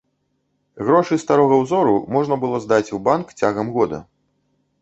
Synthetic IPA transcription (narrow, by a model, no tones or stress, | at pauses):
ɣɾɔʂɨst̪aɾɔɣɐwzɔɾumɔʐnɐbɨlˠɔzd̪at͡sʲubankt͡sʲaɣɐmɣɔd̪ɐ̰